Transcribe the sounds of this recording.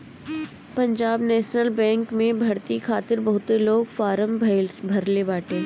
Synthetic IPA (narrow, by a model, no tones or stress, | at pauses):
pɐ̃ɲd͡ʒaːbnɛːʃnəlbɛ̃ːŋkmẽbʱɐɾt̪ikʰaːt̪ɪɾbɐɦʊt̪eloːɡfaːɾəmbʱbʱɐɾlebaːʈʰẽː